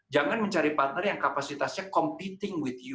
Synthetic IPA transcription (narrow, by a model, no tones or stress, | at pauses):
d͡ʒaŋanməɲt͡ʃaɾipat̪̚nərjaŋkapasit̪asɲakɔmpit̪ɪŋwɪθju